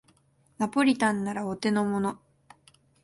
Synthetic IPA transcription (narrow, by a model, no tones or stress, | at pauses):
napo̞ɾʲit̪ãnːaɾaot̪e̞no̞mo̞no̞